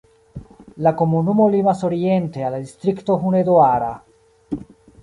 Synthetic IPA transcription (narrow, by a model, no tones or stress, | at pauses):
lakomunumolimasoɾient̪ealad̪ist̪ɾikt̪oɦuned̪oaɾa̰